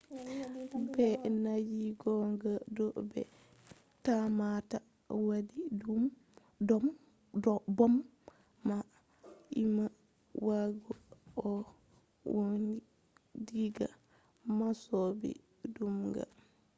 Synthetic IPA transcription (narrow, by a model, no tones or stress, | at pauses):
bɛnad͡ʒiɡɔŋɡadɔbɛ̰ | tamata | wadidum | m | dɔbɔmː | a | ima | waɡɔɔ | woni | diɡa̰ | masɔbḭ | dumɡa̰